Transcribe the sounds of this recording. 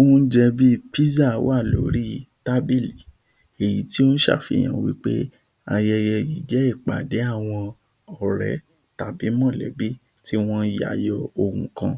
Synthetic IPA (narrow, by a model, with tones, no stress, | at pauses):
o˦ũ˦n̩˦d͡ʒɛ˧bi˦pi˦za˦˨˦wa˦˨lo̰˨ɾi˦ta˦bi˦˨li˨ | e˨ji˨˦ti˦o˦n̩˦ʃa̰˦˨fi˧˨j̃ã̰˨wḭ˦k͡pḛ˦ | a˧jɛ˧jɛ˧ji˨˦d͡ʒɛ˨˦i˦˨k͡pa̰˨de˨˦a˦˨w̃ɔ̃˧ | ɔ˨ɾɛ̰˨˦ | ta˨bi˨˦mɔ̃˦˨lɛ̰˨˦bi˦ | tʰi˦w̃ɔ̃˦ji˦a̰˨jɔ˧o˧˨hũ˨kã˧